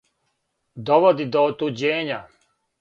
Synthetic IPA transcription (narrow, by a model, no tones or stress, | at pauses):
d̪ɔʋod̪id̪ɔːt̪ud͡ʑeːɲa